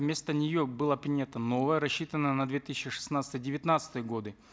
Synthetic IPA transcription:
vmʲe̞st̪ənʲɪjobɨlˠəpɾʲɪnʲat̪əno̞vəjəɾɐɕːit̪ənːənɐd̪vʲet̪ɨsʲɕɪʂɨ̥snat̪sət̪ɨjdʲɪvʲɪt̪nat̪sə̥t̪ɨjəɡo̞d̪ɨ

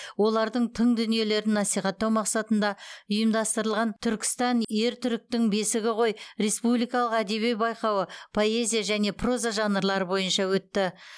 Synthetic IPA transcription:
wo̞lˠɑɾd̪əɴt̪ʰəɴd̪ʏnije̞le̞ɾɪnːɑsijχɑt̪ːɑwmɑqsɑt̪ənd̪ɑʊjəmd̪ɑst̪əɾəlˠʁɑnt̪ʰʏɾkʲɪ̥st̪ɑnje̞ɾt̪ʰʏɾɪk̚t̪ɪŋbe̞sɪɡʲɪqʰo̞jɾe̞spublijkɑlˠəqæd̪e̞βejbɑjqɑwəpʰo̞e̞zʲijaʒæne̞pʰro̞zaʒɑnəɾlˠɑɾəbo̞jənʃɑwɵt̪ːɪ

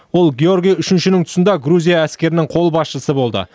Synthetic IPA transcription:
wo̞lˠɡʲeo̞rɡʲijʏʃɪnʃɪnɪŋt̪ʰʊ̥sənd̪ɑɡɾuzʲijaæskʲe̞ɾɪnɪŋqʰo̞lˠbɑsʃəsəbo̞lˠd̪ə̰

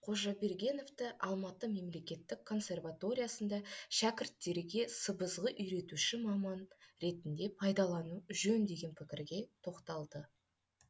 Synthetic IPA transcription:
qʰo̞ʒɑbeɾɡʲe̞no̞vt̪əʔɑlˠmɑt̪əme̞mle̞kʲe̞t̪ːɪkkʰːo̞nsʲe̞rvat̪o̞ɾʲijasənd̪ɑʃækʲɪɾt̪ːe̞ɾɡʲe̞səbəzʁəʔʏjɾe̞t̪uʃɪmɑmɑnɾe̞t̪ɪnd̪e̞pʰɑjd̪ɑlˠɑnuʒɵnd̪e̞ɡʲe̞npʰɪkʲɪɾɡʲe̞t̪ʰo̞qt̪ɑlˠd̪ə

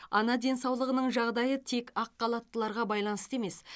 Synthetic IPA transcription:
ɑ̰nɑd̪e̞nsɑwlˠəʁənəɴʒɑʁd̪ɑjət̪ʰe̞kɑqːɑlˠɑt̪ːəlˠɑɾʁɑbɑjlˠɑnəst̪e̞me̞s

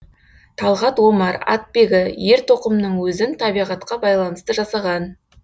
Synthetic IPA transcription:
t̪ʰɑlˠʁɑt̪wo̞mɑɾɑ̰t̪̚pe̞ɡʲɪje̞ɾt̪ʰo̞qəmnəɴwɵzɪnt̪ʰɑbijʁɑt̪qɑbɑjlˠɑnəst̪əʒɑsɑʁɑn

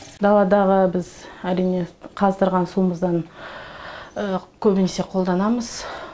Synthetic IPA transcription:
d̪ɑlˠɑd̪ɑʁəbɪzæɾijne̞qʰɑzd̪əɾʁɑnsuməzd̪ɑn | əkʲʰɵbɪnese̞qʰo̞lˠd̪ɑnɑməz̥

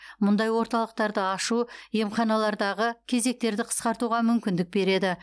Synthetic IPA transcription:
mʊnd̪ɑjwo̞ɾt̪ɑlˠəq̚t̪ɑɾd̪əɑʃuje̞mχɑnɑlˠɑɾd̪ɑʁəkʲʰe̞ze̞k̚t̪e̞ɾd̪ɪqʰə̥sqɑɾt̪uʁɑmʏmkʲɪnd̪ɪk̚be̞ɾe̞d̪ɪ

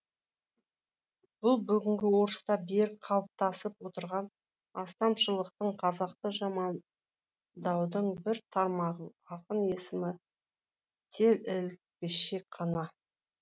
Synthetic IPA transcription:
b̥ʊlˠbʏɡʲɪŋɡʲɪwo̞ɾəst̪ɑbeɾk̚qʰɑlˠp̚t̪ɑsəpwo̞t̪əɾʁɑn | ɑst̪ɑmʃəlˠəqt̪əɴqʰɑzɑq̚t̪əʒɑmɑn | d̪ɑwd̪əɴbɪɾt̪ʰɑɾmɑʁəɑqəne̞sɪmɪ | t̪ʰe̞lɪl | kʲɪʃekqʰɑnɑ

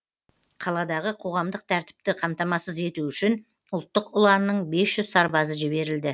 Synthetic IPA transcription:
qʰɑlˠɑd̪ɑʁəqʰo̞ʁɑmd̪əq̚t̪ʰæɾt̪ɪ̥p̚t̪ɪqʰɑmt̪ɑmɑsəze̞t̪uʏʃɪn | ʊlˠt̪ːəqʊlˠɑnːəɴbe̞sʒ̥ʏz̥sɑɾbɑzəʒɪbe̞ɾɪld̪ɪ

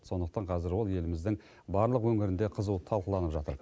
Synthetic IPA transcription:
so̞nd̪əq̚t̪ɑɴqʰɑzɪɾwo̞lˠje̞lɪmɪzd̪ɪŋ | bɑɾlˠəqwɵŋɪɾɪnd̪e̞qʰəzut̪ʰɑlˠqəlˠɑnəpʒɑt̪ə̰ɾ

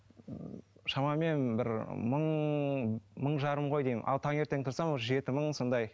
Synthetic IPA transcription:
ʃɑmɑme̞nbɪɾməɴ | məɴʒɑɾəmʁo̞jd̪e̞jmɪnʔɑ̰lˠt̪ʰɑŋe̞ɾt̪e̞ŋt̪ʰʊɾsɑmwoʒe̞t̪ɪməɴso̞nd̪ɑj

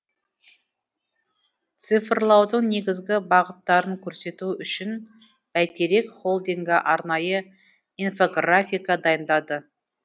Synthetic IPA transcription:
t̪sɨfɾlˠɑwd̪əɴne̞ɡʲɪzɡʲɪbɑʁət̪ːɑɾəŋkʲʰɵɾse̞t̪uʏʃɪn | bæt̪e̞ɾe̞kχo̞lˠd̪iŋɡʲɪʔɑɾnɑjə | info̞ɡrafʲijkɑd̪ɑjənd̪ɑd̪ə

